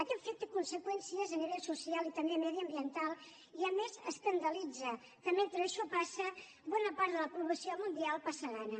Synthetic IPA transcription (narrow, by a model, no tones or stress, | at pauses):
akɛfek̚t̪əkunsəkwɛnsiəzəniβɛʎsusialˠit̪əmbemɛðiəmbiənt̪alˠ | iəmezəskənd̪əlid͡zə | k̪əment̪ɾəːʃɔpasə | βɔnəpaɾt̪ðələpɾuβləsiomund̪ialˠpasəɣanə